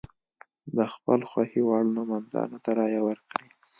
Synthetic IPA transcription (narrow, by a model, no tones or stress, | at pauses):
d̪əxpəlxwahiwɑɽnomand̪ɑ̰not̪aɾɑjawəɾkɽi